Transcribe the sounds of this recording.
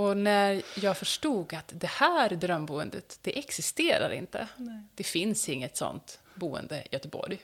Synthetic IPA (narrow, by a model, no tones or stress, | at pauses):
ɔnæɾjɑːɡfœʂʈuːɡat̪d̪ɛhæːɾd̪ɾœmbuːənd̪ət̪d̪̥ɛʔɛksɪst̪eːɾa̰ɾʔɪ̰nt̪ə̰d̪̥ɛfɪnsɪŋːət̪sɔ̰nt̪ | buːə̰nd̪əjœt̪əbɔ̰ɾj